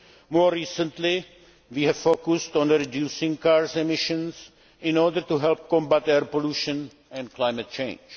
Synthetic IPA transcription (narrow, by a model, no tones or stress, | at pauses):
moːɾiːsə̃nt̪lɪ | ʋiːɦɛvfokʊstɔ̃nɾidjuːsɪ̃ŋkaːɾsɛmɪʃə̃ns | ɪ̃nɔɾdəɾtuɦɛlp̚kɔ̃mbatɛɾpoluːʃə̃n | ɛ̃ndklajmɛt̪̚t͡ʃẽɪ̃nd͡ʒ